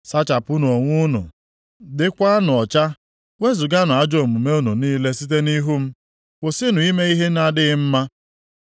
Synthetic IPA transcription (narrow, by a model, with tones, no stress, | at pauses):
sa˦t͡ʃa˨pʊ˦no˨ŋʷʊ˦nʊ̰˨ | dɪ˦kʷa˦a˦n˨ɔ˨t͡ʃa˦ | ŋʷe˦zʊ˨ɡa˦nʊ˨a˦d͡ʒo˨mu˨me˦o˦nu˨niː˦le˦si˦t̬e˦ni˦ɦu˦m̩˦ | kʷʊ˨sɪ˦nʊ˨i˦me˦i˦ɦe˦na˦dɪ˦ɣɪ˦m̩˦ma˦